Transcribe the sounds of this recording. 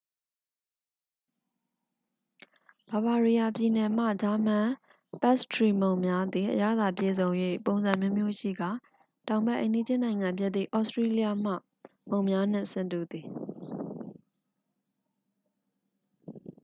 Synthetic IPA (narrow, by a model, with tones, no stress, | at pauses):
b̥a˨ba˨ɹi˨ja˨pji˨nɛ˨m̥ä̰˦˨d͡ʑa˦m̥ã˦˨ | pɛ˦ʔstʰɹi˨mõ˨ʊ̃mja˦d̪ði˨ʔə̰ja̰˦˨d̪a˨pjḛ˦˨zõ˨ʊ̃jwḛ˦˨põ˨ʊ̃nzã˨mjo˦mjo˦ʃḭ˦˨ɡa˦˨ | tã˨ʊ̃mbɛ˦ʔḛ̃˨ndi˦d͡ʑɪ̃˦nã˨ɪ̃ŋã˨mpjɪ˦t̪ḭ˦˨ʔɔ˦˨stɹe˦li˦ja˦m̥a̰˦˨ | mõ˨ʊ̃mja˦n̥ɪ̰̃˦˨ʔsɪ̃˨ntu˦˨d̪i˨